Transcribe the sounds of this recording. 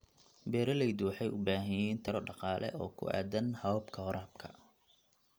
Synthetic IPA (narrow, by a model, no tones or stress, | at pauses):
bɛːɾɐlɛjd̪uħɑjʊbaːɦɐjɛnt̪ʰɐɾɔɖɑqɑːlʔɛ̰ʔɔːkʰʊ̰ʔa̰ːd̪ɐnhɐwbkʰɐhɔɾʔaːb̚kʰɐ̥̰